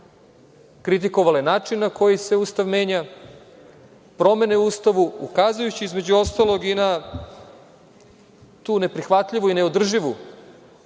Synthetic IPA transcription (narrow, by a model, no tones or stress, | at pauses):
kɾit̪̬iko̞ʋaljenaːt͡ʃinːako̞jise̞uːst̪aʋme̞ːɲa | pɾo̞me̞neuːst̪aʋuukaːzujut͡ɕiizme̞d͡ʑuo̞st̪alˠo̞ɡina | t̪uːne̞pɾixʋat̪ʎiʋuineo̞d̪r̩ʒiʋu